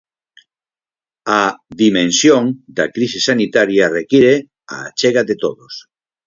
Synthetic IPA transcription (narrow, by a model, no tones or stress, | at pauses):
aðimẽnsjoŋd̪akɾisesanit̪aɾjarekiɾe | a̰t͡ʃeɣaðet̪oðos